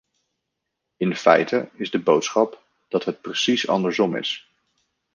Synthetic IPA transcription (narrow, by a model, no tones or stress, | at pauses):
ɪnfɛ̰jtəɪzdəbowtsχɑp | d̥ɑtɦət̚prəsisɑ̰ndəɹzɔmɪ̰s